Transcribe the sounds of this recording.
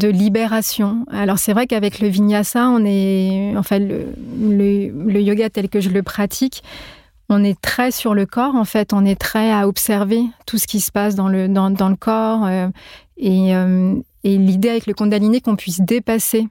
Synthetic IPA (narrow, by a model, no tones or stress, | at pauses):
d̪əlibeʁasjɔ̃alɔʁsɛvʁɛkavɛkləviɲjasaɔ̃nɛɑ̃fɛ̃lə̰lələjoɡat̪ɛlkəʒələpχat̪ʰik | ɔ̃nɛt̪χɛsyʁləkɔʁɑ̃fɛt̪ɔ̃nɛt̪χɛaɔpsɛʁvet̪usə̥kʲisə̥pasd̪ɑ̃ləd̪ɑ̃d̪ɑ̃ləkʰɔʁø | eøm | elid̪eavɛkləkɔ̃d̪aminekɔ̃pɥisd̪epase